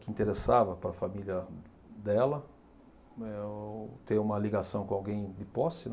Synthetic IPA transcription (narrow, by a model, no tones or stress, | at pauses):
kɪĩnt̪eɾesavɐpɾɐfamiljɐ | d̪ɛlɐ | ɛot̪eũmɐliɡasɐ̃w̃kõawɡẽj̃d̪ɪpɔsɪn